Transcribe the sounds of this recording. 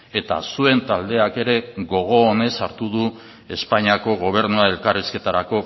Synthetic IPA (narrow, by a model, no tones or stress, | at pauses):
e̞t̪a̰sue̞nt̪ald̪e̞ake̞ɾe̞ɣo̞ɣ̞o̞ːne̞saɾt̪uðu | e̞spaɲiako̞ɣ̞o̞β̞e̞ɾnuae̞lkariske̞t̪aɾako̞